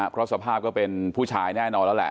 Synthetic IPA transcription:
pʰɾɔ˦˥sa˧pʰaː˥˩p̚kɔː˥˩pe˧npʰuː˥˩t͡ɕʰaː˧jnɛː˥˩nɔː˧nlɛ˦˥wlɛ̰˨˩ʔ

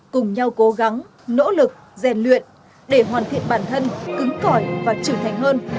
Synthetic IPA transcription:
kʊ˨˩ŋ͡mɲa˧wko˨˦ɣa˨˦ŋ | no̰˧˥lɨ˨˩k̚zɛ˨˩nlwḭ˧˨ən | ɗe˧˩ɦwaː˨˩nt̪ʰḭ˧˨ənɓaː˧˩nt̪ʰə˧nkɨ˨˦ŋkɔ˧˨˩jvaː˨˩t͡ɕɨː˧˩t̪ʰa˨˩jŋ̟ɦəː˧n

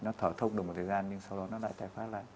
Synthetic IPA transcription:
nɔ˨˦t̪ʰəː˧˩t̪ʰə˧wŋ͡mɗɨ˨˩mo˨˩t̪̚ʰəː˨˩zaː˧nɲɨ˧ŋsa˧wɗɔ˨˦nɔ˨˦la̰ː˧˨jt̪aː˨˩jfaː˨˦˥la̰ː˧˨

